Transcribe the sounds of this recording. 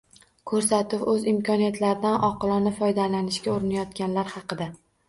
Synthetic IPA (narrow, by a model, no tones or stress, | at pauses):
kʰɵɾsat̪ɪwɵzɪmkʰʲɒnijat̪ʰlaɾɪd̪anɒqʰɨlˠɒnɪfɒjd̪alanɪʃkʲaoɾɪnajɒt̪kʲanlaɾhɑqɨd̪a